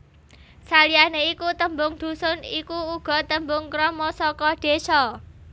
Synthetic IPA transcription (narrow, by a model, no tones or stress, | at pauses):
salianeikut̪əmbʊŋd̪̥ṳsʊnikuːɡ̥ɔ̤t̪əmbʊŋkɾɔmɔsɔkɔɖ̪̥e̤sɔ